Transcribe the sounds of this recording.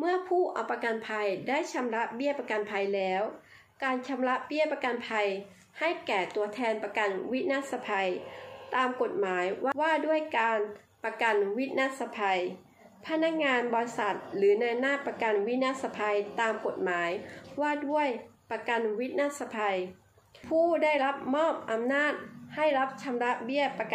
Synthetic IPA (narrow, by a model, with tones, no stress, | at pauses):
mɯ˥˩əpʰuː˥˩ʔa̰˨˩wpːa˧ka˧npʰa˧jdaː˥˩jt͡ɕʰa˧mla˦˥ʔbi˥˩əpa˧ka˧npʰa˧jlɛː˦˥w | kaː˧nt͡ɕʰa˧mla˦˥ʔbi˥˩əpa˧ka˧npʰa˧j | ha˥˩jkɛː˨˩t̪u˧ɐt̪ʰɛː˧npa˧ka˧nwi˦˥t̪̚na˦˥˩sa˧pʰa˧jt̪aː˧mko˨˩t̪̚maː˩˦jwa˥waː˥˩du˥˩əjkaː˧n | pa˧ka˧nwi˦˥t̪̚na˦˧˥t̪̚sa˧pʰa˧j | pʰa˦˥na˦˥k̚ŋaː˧nbɔː˧sa˨˩t̪̚lɯː˩˦na˧jnaː˥˩pːa˧ka˧nwi˦˥t̪̚na˦˥t̪̚sa˧pʰa˧jt̪aː˧mko˨˩t̪̚maː˩˦jwaː˥˩du˥˩əjpa˧ka˧nwi˦˥t̪̚naː˦˥sa˧pʰa˧j | pʰuː˥˩da˥˩jɾa˦˥p̚mɔː˥˩p̚ʔa˧mnaː˥˩t̪̚ha˥˩jɾa˦˥p̚t͡ɕʰa˧mɾa˦˥ʔbi˥˩əpa˧k